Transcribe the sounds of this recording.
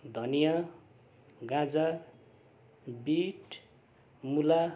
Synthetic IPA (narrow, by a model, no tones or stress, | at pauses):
d̪ʱʌnija | ɡãd͡za | biʈ | mula